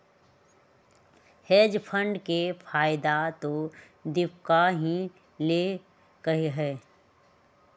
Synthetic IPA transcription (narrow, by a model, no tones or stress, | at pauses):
heːd͡ʒpʰə̃ɳɖkepʰaːɪd̪at̪o | d̪ɪpkaɦĩ | le | kɐɦeɦɛː